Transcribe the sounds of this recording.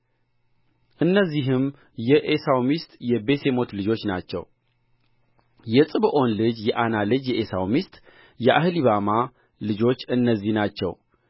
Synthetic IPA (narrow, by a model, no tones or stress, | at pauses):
ʔɨnːəzːiɦɨm | jɛʔesawmist̪ʼjɛbe̞se̞mo̞t̪lɨd͡ʒo̞t͡ʃːna̰t͡ʃːɛ̰w | jɛsʼɨβɨʔo̞nlɨd͡ʒjɛʔanalɨd͡ʒjɛʔesawmist̪ʼ | jɛʔa̰hɨliβama | lɨd͡ʒo̞t͡ʃːɨnːəzːihnat͡ʃːɛ̰w